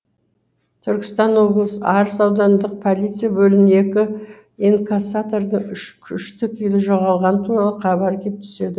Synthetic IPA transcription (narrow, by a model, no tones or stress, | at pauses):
t̪ʰʏɾkʲɪ̥st̪ɑno̞blˠəsəɑɾəsɑwd̪ɑnd̪əq̚pʰolʲˠit̪sɨjabɵlɪne̞kʲɪ | iŋkasat̪oɾd̪əʏʃkʲʰʏʃt̪ɪkʲijlɪʒo̞ʁɑlˠʁɑnt̪ʰuɾɑlˠəqʰɑbɑɾkʲʰe̞p̚t̪ʰʏ̥se̞d̪ɪ